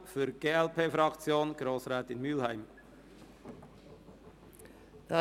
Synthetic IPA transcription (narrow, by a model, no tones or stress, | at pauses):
fyɡ̥eːɛlpeːfɾɑkt͡sjoːnɡ̥ɾoːsʁaːtɪnmyːlhæɪm | d̪̥ɑ